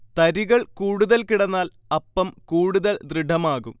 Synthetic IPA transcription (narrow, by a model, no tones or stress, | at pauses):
t̪ɐɾiɣɐɭkuːɽuðɐlkiɽɐnːaːl | ɐpːɐmkuːɽuðɐld̪riɖʱɐmaːɣum